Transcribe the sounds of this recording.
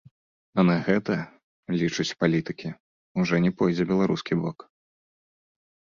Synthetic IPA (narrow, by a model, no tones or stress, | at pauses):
ɐnaɣɛt̪ɐ | lʲit͡ʂut͡sʲpalʲit̪ɨkʲi | uʐɔnʲɛpɔjd͡zʲɛbʲɛlˠaɾuskʲibɔk